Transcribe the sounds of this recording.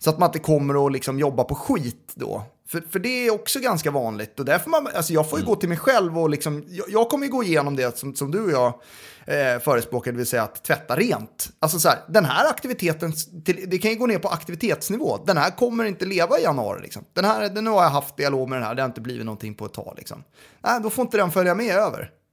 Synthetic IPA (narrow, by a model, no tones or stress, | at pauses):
sɔat̪̚mand̪ɛkʰɔmːəɾɔlɪksɔmjɔbːapʰɔɧiːt̪d̪ɔ̰ː | fœfœɖɛæːɔksɔɡanskavɑːnlɪɡ̚t̪ɔd̪æɾfɔmanalsɔjɑːɡfoːɾjɵɡoːt̪ʰɪlmɛjɧɛlvɔlɪksɔmjɑjɑːɡ̚kʰɔmːəjɵɡoːɪjeːnɔmd̪ɛsɔmsɔmd̪ɵɔjɑː | fœːɾəspɾoːkad̪ɛvɪlsɛjːaːt̪ʰːvɛt̪ːaɾeːnt̪als̬ɔsɔhæːɾd̪ɛnɦæːɾakt̪ɪvɪt̪ʰeːt̪ənt̪ʰɪld̪ɛkʰanjɵɡoːneːɾpɔʔakt̪ɪvɪt̪ʰeːt̪snɪvo̰ːd̪ɛnhæːɾkʰɔmːəɾɪnt̪əleːvaɪjanɵɑ̰ːɾɪ̰lɪ̰ksɔ̰md̪̥ɛnhæːɾnʉ̟ːhaɾjaɦaft̪̚d̪ɪaloːɡmɛd̪ɛnhæ̰ɖ̪ɛhaɾɪnt̪əblḭːɪt̪nɔnt̪ʰɪŋːpʰɔɛt̪ʰːɑ̰ːlɪ̰ksɔ̰m | nʔæɪd̪ɔfoːɪnt̪əd̪ɛnfœljamɛøːvə̰ɾ